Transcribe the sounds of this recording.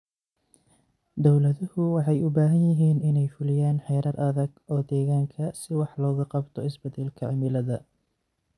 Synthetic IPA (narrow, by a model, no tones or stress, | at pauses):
d̪ɔwlɐðʊhʊwɑħɑjʊbaːɦɐnjɪɦiːnɪnɛjfʊlɪjaːnħɛjɾɐrʔɐðɐɡɔːd̪ɛːɣaːŋkʰɐsɪwɑħlɔːɣɐqɑbt̪ʰɔɪsbɐd̪ɛlkʰɐʕɪmɪlɐðɐ